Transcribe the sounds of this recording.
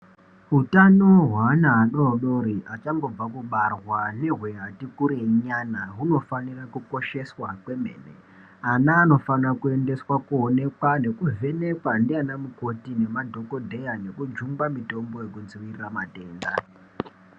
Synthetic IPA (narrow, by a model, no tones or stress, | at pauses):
ɦutanoɦwaːnaːɗo̞ɗo̞ɾiʔat͡ʃaŋɡo̞b͡vakuɓarwane̞ɦweɦatikuɾeɲanaɦuno̞fanirakuko̞ʃe̞swakwe̞me̞̰ːnḛ | anaːno̞fanrakue̞nde̞swakuone̞kwane̞kuve̞ne̞kwandianamuko̞tine̞madʱo̞ko̞dʱe̞jane̞kud͡ʒumbamito̞mbo̞je̞kud͡ziwiriramate̞ːnda̰